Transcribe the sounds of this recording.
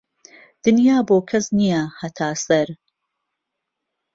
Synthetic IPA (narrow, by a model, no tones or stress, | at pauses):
d̪̥ɨnjaːboːkʰɐsnijɐhɐt̪ʰaːsɐɾ